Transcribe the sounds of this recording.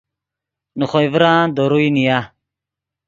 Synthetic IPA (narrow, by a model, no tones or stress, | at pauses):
nuxojvɾãːd̪oɾujnija